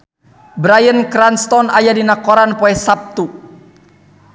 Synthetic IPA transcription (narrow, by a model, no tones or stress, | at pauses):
bɾajənkɾanst̪ɔnajadinakɔɾanpɔɛsap̚t̪u